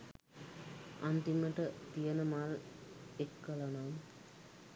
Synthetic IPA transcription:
a̰nt̪iməʈət̪ijənəmaːlekːəlanam

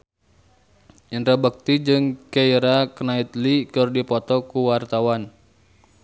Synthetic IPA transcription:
inɾabək̚t̪id͡ʒɨŋkeiɾaknait̪likɨrdipɔt̪ɔkuwart̪awan

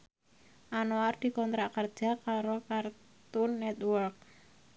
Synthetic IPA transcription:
ʔanoard̪̥i̤kɔnt̪ɾakərd̥ʒ̥a̤kaɾokart̪ʊnːɛt̪wɔrk̚

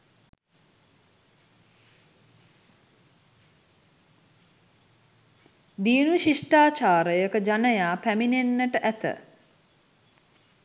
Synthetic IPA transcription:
d̪iːnuʃiʂʈaːt͡ʃaːɾəjəkəd͡ʒanəjaːpæminenːəʈəʔæt̪ə̰

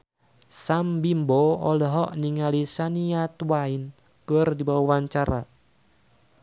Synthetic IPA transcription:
sambimbɔɔlɔɦɔʔniŋalisaniat̪uwain | kərdibawawaɲt͡ʃaɾa̰

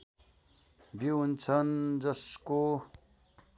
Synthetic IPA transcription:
biɦunt͡sʰʌnd͡zʌsko

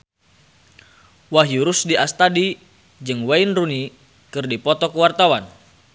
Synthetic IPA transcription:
waɦjuɾusdiast̪adi | d͡ʒɨŋwainruni | kɨrdipɔt̪ɔkəwart̪awan

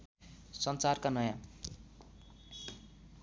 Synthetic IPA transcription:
sʌnt͡sarkanʌjã

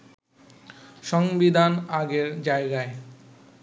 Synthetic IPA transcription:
ʃɔŋbid̪ʱanaɡeɾd͡ʑaeɡae

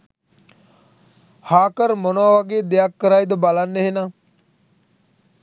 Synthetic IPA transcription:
haːkəɾmonaʋaɡeːd̪ejakːəɾajd̪əbalanːeɦenaː

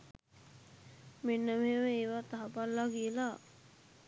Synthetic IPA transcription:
menːəməɦeməeːʋat̪aɦapalːaɡijəla

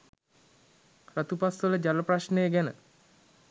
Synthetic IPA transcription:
rat̪upasʋələd͡ʒaləpraʃnəjəɡɛnə

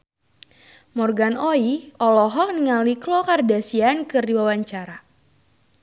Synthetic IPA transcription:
mɔrɡanɔiɔlɔɦɔk̚niŋaliklɔkardasiankɨrdiwawaɲt͡ʃaɾa

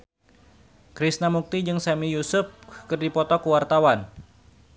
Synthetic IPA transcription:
kɾisnamuk̚t̪id͡ʒɨŋsamijusʊfkɨrdipɔt̪ɔkuwart̪awan

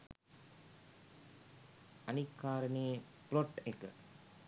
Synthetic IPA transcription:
ɐnikːaːɾəneː | ploʈekə̰

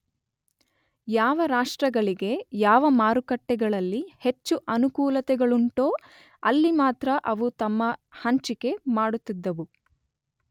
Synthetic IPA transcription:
jaːʋɐɾaːʂʈɾɐɡɐɭiɡe̞jaːʋɐmaːɾukɐʈːɛɡɐɭɐlːihe̞t͡ʃːuʔɐnukuːlɐt̪ɛɡɐɭuɳʈoː | ɐlːimaːt̪ɾɐʔɐʋut̪ɐmːɐhɐɲt͡ʃike̞maːɽut̪ːid̪ːɐʋu

